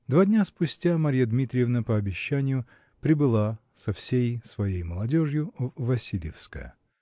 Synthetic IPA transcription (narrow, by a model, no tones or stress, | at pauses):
d̪vadʲnʲaspʊsʲtʲamɐɾʲijəd̪mʲit̪ɾʲɪjɪvnəpəɐbʲɪɕːænʲɪjʊ | pɾʲɪbɨlˠasɐfsʲejsvɐjejməlˠɐdʲo̞ʐjʊvvɐsʲilʲjɪfskə̰jə̰